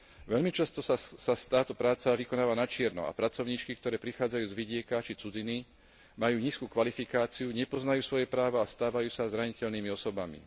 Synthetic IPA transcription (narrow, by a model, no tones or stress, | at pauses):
ʋɛʎmit͡ʃast̪ɔsasast̪aːt̪ɔpɾaːt͡saʋikɔnaːʋanat͡ʃɪɛɾnɔ̰a̰pɾat͡sɔʊɲiːt͡ʃkikt̪ɔɾɛːpɾixaːd͡zajuːzʋiɟɪɛkat͡ʃit͡sud͡zini | majuːɲiːskuːkʋalifikaːt͡siuɲɛpɔznajuːsʋɔjɛpɾaːʋaɔast̪aːʋajuːsazɾaɲicɛʎniːmiɔsɔbamḭ